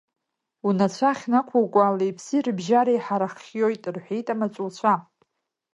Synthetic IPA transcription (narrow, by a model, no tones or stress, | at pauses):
unat͡ɕʷʰaχʲnakʷʰuwkʷʼalejpʰsirbʒaɾajħaɾaχjojtʼrħʷejtʼamat͡sʷʼult͡ɕʷʰa